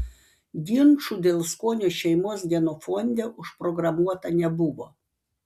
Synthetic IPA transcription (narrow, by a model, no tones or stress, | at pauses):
ɡ̪ʲɪnˑt͡ʃuːd̪ʲeːlˠskoːnʲoːʃʲɛɪmoːsd̪ʲiɛnoːfɔnʲd̪ʲɛːʔʊʃpɾɔɡɾɐmuɔt̪ɐnʲɛbʊʋoː